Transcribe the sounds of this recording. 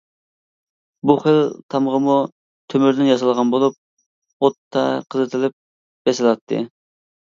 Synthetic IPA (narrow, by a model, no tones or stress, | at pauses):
buχəlt̪ʰɑmʁəmu | t̪ʰømyɾd̪ɪnjɑs̬ɑlˠʁɑnbolˠup̚ | ot̪ʰːɑqʰəzɨt̪ʰɪlɪp̚ | b̥ɛsɪlˠɑt̪ʰːɨ̰